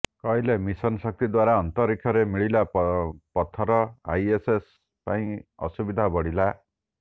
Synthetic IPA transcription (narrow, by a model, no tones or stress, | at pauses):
kɔjlemisɔnsɔk̚t̪id̪waɾaɔnt̪ɔɾikʰjɔɾemiɭilapɔt̪ʰɔɾɔa̰jeses | paĩɔ̰subid̪ʱabɔɽila